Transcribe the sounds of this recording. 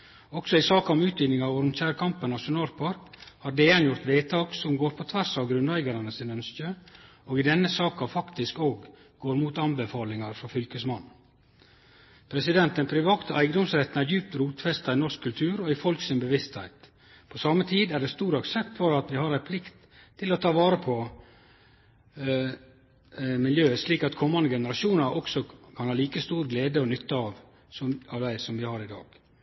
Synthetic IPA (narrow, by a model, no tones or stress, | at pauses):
ɔksɔɪsɑːkɑʊmʉːt̪ʋiːd̪nɪŋɑʋɔːɾʊmçæːɾkʰɑmpənɑʃʊnɑːlpʰɑɾkhɑɾɖɛɛnjʊɾt̪ʋeːt̪ʰɑːksɔmɡoːɾpʰɔt̪ʰʋæɾsɑʋɡɾʉnʋæɪɡɑɾɑnəsɪnœnstø | oːɡɪd̪ɛnːəsɑːkɑfɑkt̪ɪskoːɡ | ɡoːɾmuːt̪ɑnbəfɑːlɪŋɑɾfɾɑfʏlkəsmɑnː | pʰɾɛsɪd̪ɛnt̪ənpʰɾɪʋɑːt̪əʔæɪɡəd̪ɔmsɾɛt̪ːnæɾjʉːp̚t̪ɾuːt̪fɛst̪ɑɪnɔʂkkʰʉlt̪ʰʉːɾɔɪfɔlksɪnbəʋɪst̪hæ̰ɪt̪ | pʰɔsɑmːət̪ʰiːd̪æɖɛst̪uːɾɑɡsɛt̪fɔɾɑt̪ʋɪhɑɾæɪpʰlɪkt̪ʰː | ɪlɔt̪ʰɑːʋɑːɾəpʰɔ | mɪljøːəsliːkɑt̪kʰɔmːɑnd̪əɡɛnəɾɑʃuːnəɾʔɔksɔkʰɑnhɑːliːkəst̪uːɾɡleːd̪əɔnʏt̪ːəɑʋ | sɔɑʋʋ̪æɪsɔmʋɪhɑɾɪd̪ɑ̰ːɡ̥